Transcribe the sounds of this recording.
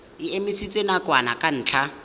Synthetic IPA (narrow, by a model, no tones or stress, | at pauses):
ɪemisit͡sʼenakʼwanakʼan̩ːt͡ɬʰa